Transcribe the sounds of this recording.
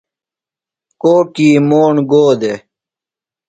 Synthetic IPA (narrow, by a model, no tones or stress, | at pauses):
koːkiːmoːɳɡoːd̪e